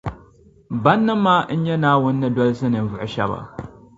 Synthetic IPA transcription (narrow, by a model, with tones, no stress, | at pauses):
bɐ˦nːɨ˦mːaː˦ɲ̩˦jɛ˦naː˦wʊ˦nː˦ɨ˦dɔ˦lsɨ˦nɨ˨n˦vʊ˨ʔʃɐ̰˦ba̰˨